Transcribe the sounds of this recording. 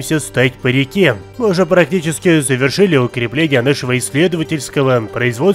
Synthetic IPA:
msʲəst̪atʲpəɾʲɪkʲemɨʊʐɛpɾɐk̚tʲit͡ɕɪskʲɪzəvʲɪrʂɨlʲɪʊkɾʲɪplʲenʲɪjənaʂəvəɪsʲːlʲed̪əvətʲɪlʲskəvəpɾəɪzvo̞

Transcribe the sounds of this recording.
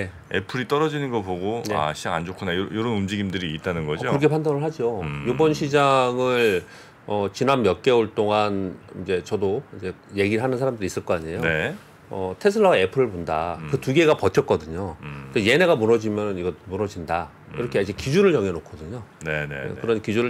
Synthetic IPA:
ne | ḛpʰɯɾit͈ʌɾʌd͡ʑinɯnɡʌpoɡonea̰ɕʰid͡ʑaŋand͡ʑokʰunajojoɾʌnumd͡ʑiɡimdɯɾiːt̚t͈anɯnɡʌd͡ʑiokɯɾʌkʰepʰandanɯɭɦad͡ʑojobʌnɕʰid͡ʑaŋɯɭ | ʌt͡ɕinanmjʌk͈e̞oɭt͈oŋanind͡ʑe̞t͡ɕʌdoind͡ʑe̞ | je̞ɡiɯɭɦanɯnsʰaɾamdɯɾis͈ɯɭk͈ʌaɲe̞jone | ʌtʰes̬ʰɯɭːawae̞pʰɯɾɯɭpondakɯtuɡe̞ɡapʌtʰʌt̚k͈ʌdɯɲoneje̞ne̞ɡamuɾʌd͡ʑimjʌnɯniɡʌtmunʌd͡ʑinda | iɾʌkʰeaid͡ʑekid͡ʑuɾɯɭjʌŋenokʰʌdɯɲonenḛkɯɾʌnkid͡ʑuɾɯ

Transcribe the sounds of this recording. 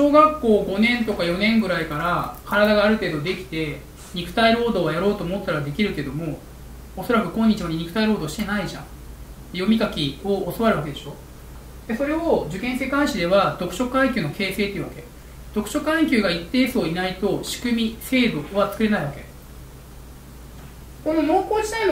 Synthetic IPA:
ɕo̞ːɡakːo̞ːɡo̞nẽ̞nt̪o̞kajo̞nẽ̞ŋɡɯ̟ɾaikaɾakaɾad̪aɡaːɾɯ̟t̪e̞ːd̪o̞d̪e̞kʲi̥t̪e̞ | ɲ̟ikɯ̟̥t̪aiɾo̞ːd̪o̞ːβajaɾo̞ːt̪o̞ːmot̪ːaɾad̪e̞kʲiɾɯ̟ke̞d̪o̞mo̞ | oso̞ɾakɯ̟kõ̞ɲ̟ːit͡ɕiβaɲʲiɲ̟ikɯ̟̥t̪aiɾo̞ːd̪o̞ːɕi̥t̪e̞naiʑã̰ŋ | jo̞mʲikakʲio̞ːso̞βaɾɯ̟βaked̪e̞ɕo̞ | d̪̥e̞so̞ɾe̞od͡ʑɨkẽɰ̃se̞kãɰ̃ɕid̪e̞βad̪o̞kɯ̟̥ɕo̞kãŋkʲɨːno̞ke̞ːse̞ːt̪eiɯ̟βake̞ | d̪̥o̞kɯ̟ɕo̞kãŋkʲɨːɡait̪ːe̞ːsoːinait̪o̞ɕi̥kɯ̟mʲise̞ːd̪o̞βat͡sɨ̥kɯɾe̞naiβake̞ | ko̞no̞moːkoːd͡ʑi̥t̪ain

